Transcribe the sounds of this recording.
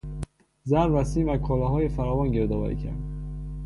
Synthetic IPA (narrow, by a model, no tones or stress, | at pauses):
zæɾɾæsiːmvækʰɒːlɒːɦɒːjefæɾɒːvɒːnɟeɾd̪ɒːvæ̰ɾḭcʰæ̰ɾd̪